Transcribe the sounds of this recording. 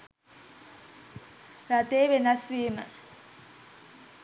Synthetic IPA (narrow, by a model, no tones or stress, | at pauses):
ɾat̪eːʋenɐsʋiːmə̰